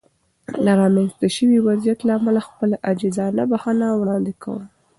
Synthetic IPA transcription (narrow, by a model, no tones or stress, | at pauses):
laɾɑmanst̪aʃəwiwazijat̪laamalaxpəlaʔad͡ʒizɑnabahanawɽɑnd̪ɪkʰa̰wə̰l